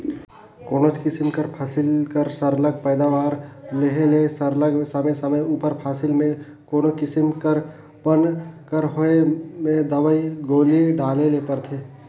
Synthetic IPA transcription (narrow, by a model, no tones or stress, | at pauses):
koːnot͡ʃkɪsɪmkəɾpʰaːsɪlkəɾsəɾləɡ̚pəːd̪aʋaːɾleɦelesəɾləɡmesəməsəməjuːpəɾpʰaːsɪlmẽ | koːnokɪsɪmkəɾ | bənkəɾɦoemẽd̪əʋəiɡoːliɖaːlelepəɾt̪ʰeː